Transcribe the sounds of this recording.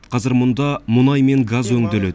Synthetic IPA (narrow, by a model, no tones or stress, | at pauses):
qʰɑzɪɾmʊnd̪ɑmʊnɑjme̞ŋɡazwɵŋd̪ɪle